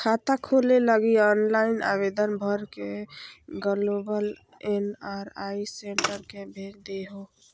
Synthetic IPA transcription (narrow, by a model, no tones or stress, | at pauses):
kʰat̪akʰoleləɡiɔːnlaɪna̰bed̪ənbʱəɾke | ɡəlobəl | enaːɾaiseɳʈəɾkebʱed̪eɦo